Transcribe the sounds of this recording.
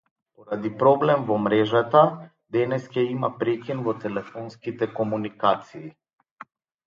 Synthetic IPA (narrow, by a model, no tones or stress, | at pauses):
pɔɾad̪ipɾɔblɛmvɔmɾɛʒat̪a | d̪ɛnɛskɛimapɾɛkinvɔt̪ɛlɛfɔnskit̪ɛkɔmunikat̪siː